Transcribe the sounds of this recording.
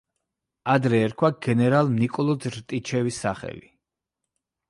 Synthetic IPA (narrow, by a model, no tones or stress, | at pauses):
ad̪ɾɛːɾkʰwaɡɛnɛɾalˠmnikʼɔlˠɔd̪ɾt̪ʼit͡ʃʰɛvisːaχɛ̰li